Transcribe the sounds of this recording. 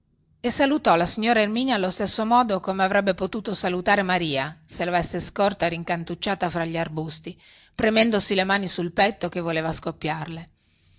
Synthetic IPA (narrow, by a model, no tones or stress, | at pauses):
esalut̪ɔlasiɲːoːɾaermiːnjaːlːost̪esːomɔːd̪okomeavɾɛbːepot̪uːt̪osalut̪aːɾemaɾiːaselavɛsːeskɔrt̪aɾiŋkant̪ut͡ʃːaːt̪afɾaʎːiarbust̪i | pɾemɛnd̪osilemaːnisulpɛt̪ːokevːoleːvaskopːjarle